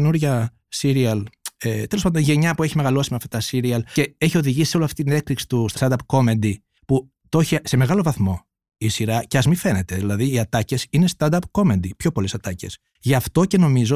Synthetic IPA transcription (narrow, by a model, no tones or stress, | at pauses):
enuɾʝɐ | siɾiɐlet̪elopand̪onʝe̞ɲɐpueçime̞ɣɐlo̞simeɐft̪ɐt̪ɐsiɾiɐlce̞eçio̞ðiʝisi̥seo̞loɐft̪it̪ine̞kliksi̥t̪ust̪st̪ɐnd̪ɐpko̞mend̪i | pu | t̪o̞çise̞me̞ɣɐlo̞vɐθmo̞ | isiɾɐceɐzmife̞ne̞t̪e̞ðilɐðiːɐt̪ɐce̞sine̞st̪ɐnd̪ɐpko̞mend̪ipço̞po̞lesɐt̪ɐce̞̰s | ʝɐft̪o̞ce̞no̞mizo̞